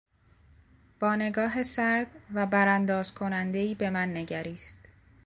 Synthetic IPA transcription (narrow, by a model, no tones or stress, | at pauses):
b̥ɒːne̞ɡɒːɦe̞sæɾd̪̥væbæɾænd̪ɒːz̥kʰo̞nænd̪e̞iːbe̞mænːe̞ɟæɾiːst̪